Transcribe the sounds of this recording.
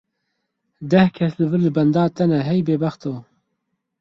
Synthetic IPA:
d̪ɛhkʰɛslɨvɨlːɨbɐnd̪ɑːt̪ɛnɛɦɛjbeːbæxt̪oː

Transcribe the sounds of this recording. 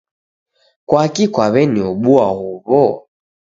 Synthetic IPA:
kwakikwaβɛniɔɓuahuβɔ

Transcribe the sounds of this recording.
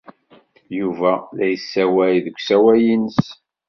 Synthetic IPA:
juvælæjəsːæwæjðəkʷːsæwæjinəs

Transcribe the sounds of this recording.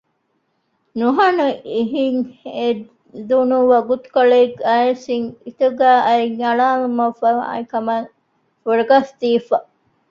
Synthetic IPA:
nuɦɐnuiɦiŋe | d̪unuʋɐɡut̪u̥kɐɭeːɡɐesiŋit̪uɡæːʔɐiŋɐɭaːlumɐfɐ̰ikɐmɐ | fuɾɐɡɐst̪iːfɐ

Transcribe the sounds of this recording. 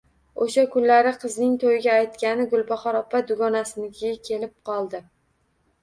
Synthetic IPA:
oʃakʰʊnlaɾɪqʰɨznɪŋt̪ʰojɪɡʲaːjt̪kʲanɪɡʊlˠbɒχɒɾɒpʰːad̪ʊɡɒnasɪnɪkʲʰɪɡʲakʲʰe̞lɪp̚qʰɒlˠd̪ɪ

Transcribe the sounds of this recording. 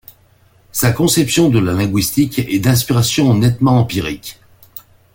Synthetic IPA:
sakɔ̃sɛpsjɔ̃d̪əlalɛ̃ɡɥist̪ikɛd̪ɛ̃s̬piʁasjɔ̃nɛt̪mɑ̃ɑ̃piʁik

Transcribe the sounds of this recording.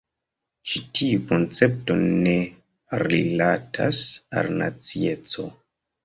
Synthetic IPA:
t͡ʃitiuko̞nt͡se̞p̚to̞ne̞ | ɾilatʰa̰sa̰lna̰t͡sie̞t͡so̞̰

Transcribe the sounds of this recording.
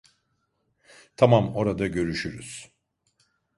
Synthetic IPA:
t̪ʰamamo̞ɾad̪aɟø̞ɾyʃyɾy̰z̥

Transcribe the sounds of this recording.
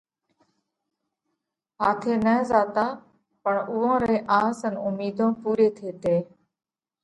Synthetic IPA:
ɦaːt̪ʰeːnəːzaːt̪aː | pəɳʊːãːɾeːʔaːsənʊmiːd̪ʱõːpuːɾeːt̪ʰeːt̪eː

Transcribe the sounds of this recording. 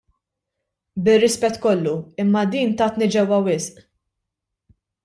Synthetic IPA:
bɪrːɪspɛt̪ːkɔlːuɪmːɐd̪iːnt̪ɐːt̪nid͡ʒɛwːɐwɪsʔ

